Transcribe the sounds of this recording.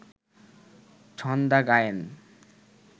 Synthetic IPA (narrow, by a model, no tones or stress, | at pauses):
t͡ɕʰɔnd̪aɡajen